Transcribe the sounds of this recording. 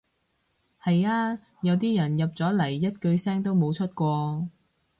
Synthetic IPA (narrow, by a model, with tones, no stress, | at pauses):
hɐ˨jaː˥ | jɐ˨˧wt̪̬iː˥jɐ˨˩njɐ˨p̚t͡sɔː˨˥lɐ˨˩jːɐ˥t̚kɵ˧ɥsɛː˥ŋt̪o˥wmo˨˧wt͡ʃʰɵ˥t̚kʷɔː˧